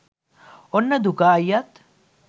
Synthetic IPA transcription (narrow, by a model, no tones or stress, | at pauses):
onːɐd̪ukaːjɐt̪